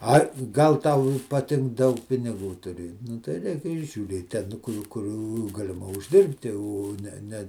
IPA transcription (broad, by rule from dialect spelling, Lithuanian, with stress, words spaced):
ˈɐɪ ˈɡɐlˠ ˈtɐʊ ɪ pɐˈtʲɪŋk ˈdɐʊk pʲɪnʲɪˈɡuː tʊˈrʲeː nʊ tɐɪ ˈrʲɛɪk ɪr ʒʲuːˈrʲeːt ˈtʲɛn ˈkʊr ˈkʊr ɡɐlʲɪˈmɐ ʊʒʲˈdʲɪrʲpʲtʲɪ oː ˈnʲɛ ˈnʲɛ